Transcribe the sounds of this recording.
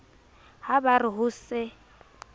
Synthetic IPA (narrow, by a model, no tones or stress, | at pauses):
habarɪɦʊsɪ